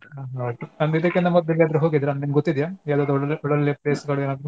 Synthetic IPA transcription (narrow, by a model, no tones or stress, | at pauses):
aɦaoʈ̪ːuɐnd̪id̪ɐkːind̪ɐmɐd̪ːɐljaːd̪ɐɾɐɦoːɡid̪iɾɐnd̪ɐnimɡɔt̪ːid̪jaːjaːd̪ud̪ɔɽɐlːepleːsɡɐɭeːnaːd̪ɾu